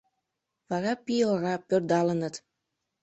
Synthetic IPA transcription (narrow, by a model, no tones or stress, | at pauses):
βɑɾɑpioɾɑpørd̪ɑlənət̪